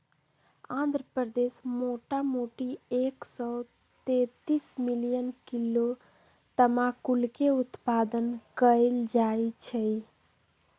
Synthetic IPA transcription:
ãnd̪ʱɾəpɾəd̪esmoʈamoʈieksɔ | t̪et̪ismilijənkilo | t̪əmakulkeut̪pad̪ənkəɪld͡ʒajt͡ʃʰɛj

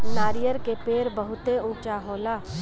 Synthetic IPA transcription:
naːɾijəɾkepeːɾbəɦʊt̪eʊ̃t͡ʃaɦoːlaː

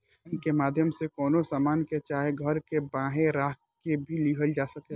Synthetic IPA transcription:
nkemaːd̪ʱjəmsekɔːnosaːmaːnket͡ʃaːɦeɡʱɐɾkebãːɦẽɾaːɦ | kebʱiliɦəld͡ʒaːsɐke

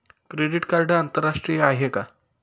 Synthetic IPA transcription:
kɾeɽiʈkaɾɖəant̪əɾːaʂʈɾijəaɦeka

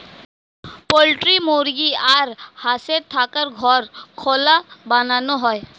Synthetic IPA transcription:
polʈɾimoɾɡiaɾhaset̪ʰakəɾɡʱɔɾkʰɔlabananɔɦɔj

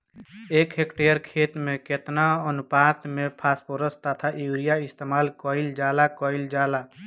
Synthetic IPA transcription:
eːkɦekʈeːəɾkʰeːt̪mẽket̪naənʊpaːt̪mẽpʰaːspoɾəst̪ət̪ʰaʔjuːɾijaɪst̪eːmaːlkɔːɪld͡ʒaːlakɔːɪld͡ʒaːla

